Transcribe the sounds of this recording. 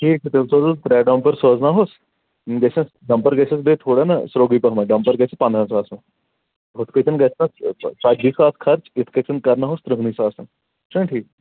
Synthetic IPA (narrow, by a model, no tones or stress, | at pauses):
ʈʰiːk̚ːt̪esoːzt̪ɾɛːɖə̃mpəɾsoːznaːɦoːs | ɡɛːs | ɖɐ̃mpəɾɡɛːsesb̪eːt̪ʰoːɽena̰sɾoːɡiːpɐɦmãːɖɐ̃mpəɾɡɛːsepɐ̃nd̪ɾãːsaːsã | ʊt̪ʰket͡ʃənɡɛːsnasaːd͡ʒʱiːsaːskʰɐɾt͡ʃɪt̪ʰkət͡ʃʰənkɐɾnaːɦoːst̪ɾəɦniːsaːsa | ʈẽːʈʰiːk̚